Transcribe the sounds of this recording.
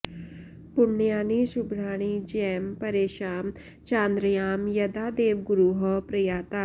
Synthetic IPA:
pʊɳːjaːniʃubɾaːɽ̃id͡ʒiempɐɾeːʃaːm | t͡ʃãːnd̪ɾəjaːmjɐd̪aːd̪eːʋɡuɾuːɦɐpɾɐjaːt̪aː

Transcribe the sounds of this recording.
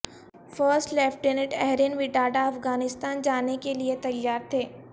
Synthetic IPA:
fəːɾsʈlɛːfʈɖenɪʈɛɦɾinʋiɖaːɖaɐfɡaːnɪst̪aːnd͡ʒaːnekeliet̪ɐjːaːɾt̪ʰeː

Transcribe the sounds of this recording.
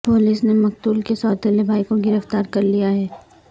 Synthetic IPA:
poːliːsnemɐk̚t̪uːlkesɔːɾt̪eːlebʱaːikoɡɪɾəft̪aːɾkɐɾlijaɦɛː

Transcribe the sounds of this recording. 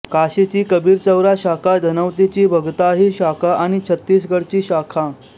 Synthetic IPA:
kaɕet͡ɕiːkəbʱiːɾt͡səwɾaɕakʰad̪ʱənəwt̪it͡ɕiːbʱəɡt̪aɦiːɕakʰaʔaɽ̃it͡ɕʰət̪ːiːs̬ɡʱəɽt͡ɕiːɕakʰa

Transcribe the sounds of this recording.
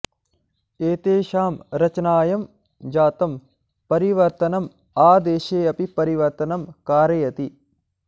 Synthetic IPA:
eːt̪eːʃaːmɾɐt͡ʃɐnaːjɐm | d͡ʒaːt̪ɐm | pɐɾiʋɐɾt̪ɐnɐm | aːd̪eːʃeːɐpipɐɾiʋɐɾt̪ɐnɐmkaːɾɐjɐt̪i

